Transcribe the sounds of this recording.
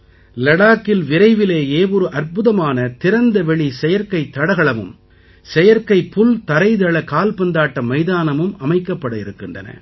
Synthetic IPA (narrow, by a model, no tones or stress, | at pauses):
lɐɽaːkːɪlʋɪɾɐɪʋɪleːjeːʋɔɾɯʔɐɾpɯðɐmaːnɐt̪ɪɾɐnd̪ɐʋɛɭisɛjɐɾkɐɪt̪ːɐɽɐɣɐɭɐmɯ̰m | sɛjɐɾkɐɪpʊlt̪ɐɾɐɪðɐɭɐkaːlpɐnd̪aːʈːɐmɐɪðaːnɐmɯmɐmɐɪkːɐpːɐɽɯɪɾɯkːɪndrɐ̰nɐ̰